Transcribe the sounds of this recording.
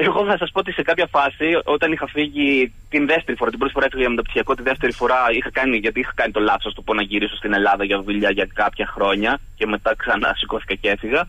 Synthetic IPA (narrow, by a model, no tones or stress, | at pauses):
e̞ɣo̞θɐsɐspot̪ise̞kɐpçɐfɐsio̞t̪ɐnixɐfiʝi | t̪inðe̞ft̪e̞ɾifo̞ɾɐt̪ibɾo̞t̪ifo̞ɾɐefiɣɐʝɐmet̪ɐpsi̥çiɐko̞t̪inðe̞ft̪e̞ɾifo̞ɾɐixɐkɐniʝɐt̪iixɐ̥kɐnit̪o̞lɐθosɐst̪opo̞nɐʝiɾiso̞st̪ine̞lɐðɐʝɐðuʎɐʝɐkɐpçɐxɾo̞ɲɐ | ce̞me̞t̪ɐksɐnɐ̰siko̞θi̥kɐce̞fiɣɐ